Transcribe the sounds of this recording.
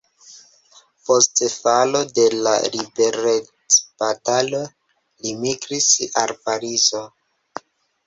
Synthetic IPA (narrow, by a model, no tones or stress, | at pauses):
postefalo̞de̞la̰ɾibe̞ɾet͡sb̥atalo | limiɡɾisa̰lpaɾizo